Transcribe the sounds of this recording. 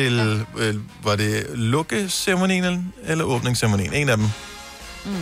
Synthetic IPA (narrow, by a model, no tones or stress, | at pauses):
el | ʋɑ̈de̝lɔ̽ɡ̥əsemo̝nḭːnənelɐʔɔ̽ːb̥ne̝ŋseɐmonḭːne̝næd̥em